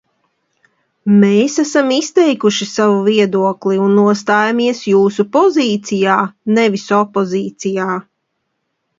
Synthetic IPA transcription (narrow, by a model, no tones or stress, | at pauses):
meːsasamist̪ɛjkuʃisavuviɛd̪uɔkliunːuɔs̬t̪aːjamiɛsjuːsupɔziːt̪sijaːnevisɔpːɔziːt̪sijaː